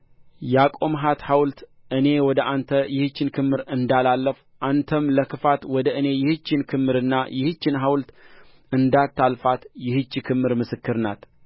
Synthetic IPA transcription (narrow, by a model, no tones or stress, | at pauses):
jɛakʼo̞mɦat̪hawlt̪ | ʔɨne̞wɔd̪əʔant̪ʰəjɪhɨt͡ʃːɪnkʰɨmːɨɾɨnd̪alalːəf | ʔant̪ʰəmləkʰɨfat̪wɔd̪əʔɨne̞jɪhɨt͡ʃːɪnkʰɨmːɨɾɨnːajɪhɨt͡ʃːɪnɦawlt̪ | ɨnd̪at̪ʰːalfat̪jɪhɨt͡ʃːikʰɨmːɨɾmɨsɨkːɨɾna̰t̪